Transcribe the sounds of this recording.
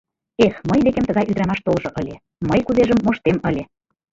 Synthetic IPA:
exməjd̪ekʲemt̪əɣɑjyd̪ɾɑmɑʃt̪olʒŏʔɤlʲe | məjkuzeʒəmːoʃt̪eməlʲe

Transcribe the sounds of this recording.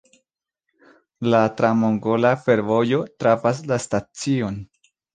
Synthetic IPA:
latɾamoŋɡo̞lafe̞ɾvo̞jo̞tɾafas̬lastat͡sio̞n

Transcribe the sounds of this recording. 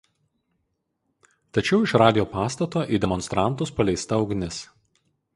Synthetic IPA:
t̪ɐt͡ʃʲɛʊɪʃɾɑːd̪ʲɪjoːpɑːst̪ɐt̪oːʔiːd̪ʲɛmɔnst̪ɾɑˑnˑt̪ʊspɐlʲɛɪst̪ɐɒʊɡnʲɪs

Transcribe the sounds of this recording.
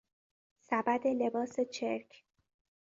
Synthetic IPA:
sæbæd̪e̞le̞bɒːse̞t͡ʃʰeɾkʰ

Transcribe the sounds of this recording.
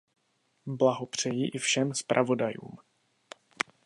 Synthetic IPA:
blaɦopr̝̥ɛjɪʔɪfʃɛmspɾʔa̰vo̞dajṵːm

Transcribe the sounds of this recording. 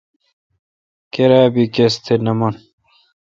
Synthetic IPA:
keɾaːbikest̪ʰenɐmɐn

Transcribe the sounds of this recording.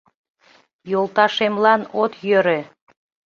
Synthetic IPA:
jolˠt̪ɑʃemlɑnot̪jøɾe

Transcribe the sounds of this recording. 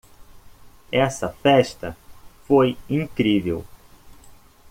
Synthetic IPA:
ɛsɐfɛʃt̪ɐfojĩŋkɾivḛw

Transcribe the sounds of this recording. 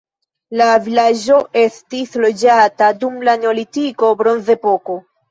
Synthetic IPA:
lavilaʒo̞ʔe̞stislo̞d͡ʒatadumlaneolitiko̞bɾo̞nze̞po̞ko̞

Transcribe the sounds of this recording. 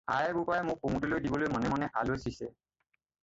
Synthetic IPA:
a̰jɛbupajɛmʊk̚poŋudilojdibɔlojmɔnɛmanɛʔa̰losisɛ

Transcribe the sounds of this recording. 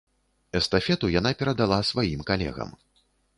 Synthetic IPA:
ɛst̪afʲɛt̪ujanapʲɛɾɐd̪alˠasvajimkalʲɛ̰ɣɐ̰m

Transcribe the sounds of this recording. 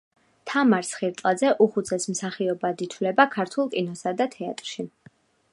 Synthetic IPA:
t̪ʰamaɾsχiɾt̪ʼlˠad̪zɛʔuχut̪sʰɛsmsaχiɔbad̪it̪ʰlɛbakʰaɾt̪ʰulˠkʼinɔsad̪at̪ʰɛat̪ʼɾʃi

